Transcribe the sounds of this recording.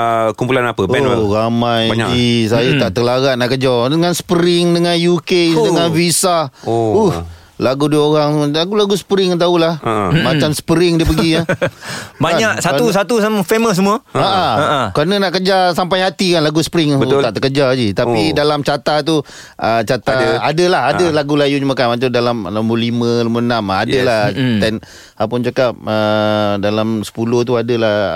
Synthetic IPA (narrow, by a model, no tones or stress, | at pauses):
əkumpulanapəbɛonɾamaja̰d͡ʒisajat̪aʔt̪əlaɣaʔnaʔkəd͡ʒadəŋansə̥pəɾɪŋdəŋanjukedəŋanvisauh | laɡudioɾaŋlaɡulaɡusə̥pəɾɪŋant̪aulahmat͡ʃamsə̥pəɾɪŋdiəpəɡiə | baɲaʔsausat̪usafeməs̬əmuaaʔakɾanənaʔkəd͡ʒasampajhat̪ikanlaɡusə̥pəɾɪŋuaʔt̪əkəd͡ʒad͡ʒit̪apidalamt͡ʃat̪at̪̬u | ʔət͡ʃat̪aadəlahadəlaɡulajud͡ʒumãkanmat͡ʃadalamlamolimə̃lamonamadəlat̪ɛn | apʊnt͡ʃakap̚ədalamsə̥puloht̪̬uadəla